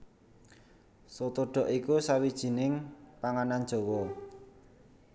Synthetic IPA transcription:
sot̪oɖ̥ɔ̤ʔikusawid̥ʒ̥i̤nɪŋpaŋanandd͡ʒ̥o̤wɔ

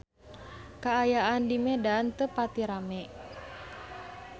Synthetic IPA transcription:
kaːjaandimɛdant̪əpat̪iɾamɛʔ

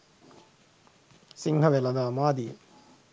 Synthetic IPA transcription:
siŋɦɐʋelɐd̪aːmaːd̪i

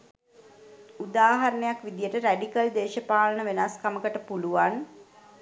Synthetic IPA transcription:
ud̪aːɦaɾənəjakʋid̪ijəʈəɾæɖikəld̪eːʃəpaːlənəʋenaskaməkəʈəpuluʋan

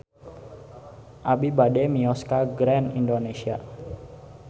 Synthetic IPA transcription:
ʔabibademiɔskaɡɾɛnindonesia̰

